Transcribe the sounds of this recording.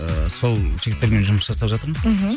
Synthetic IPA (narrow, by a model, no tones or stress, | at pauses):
əso̞lˠʃʰeɡʲɪp̚t̪eɾʲɡʲenʒʊməʃʰɑsɑpʒɑt̪əɾməɦ